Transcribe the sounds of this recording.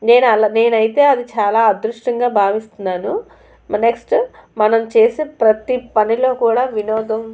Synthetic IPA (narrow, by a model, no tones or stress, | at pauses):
ne̞ːnɐlne̞ːnɐjit̪e̞ːɐd̪it͡ʃaːlaːɐd̪ɾuʂʈɐŋɡaːbʱaːʋist̪unːaːnu | ne̞ksʈmɐnɐmt͡ʃe̞ːseːpɾɐt̪ipɐnilo̞ːkuːɽaːʋinɔːd̪ɐm